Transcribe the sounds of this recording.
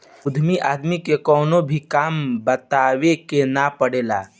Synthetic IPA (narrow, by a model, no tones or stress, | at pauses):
ʊd̪ʱmiʔaːd̪mikekɔːnobʱikaːmbət̪aːwekenapəɽeːla̰ː